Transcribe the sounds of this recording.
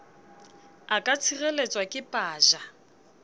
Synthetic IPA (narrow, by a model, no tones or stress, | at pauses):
akʼat͡sʰirelet͡sʼwakʼɪpʼaːʒa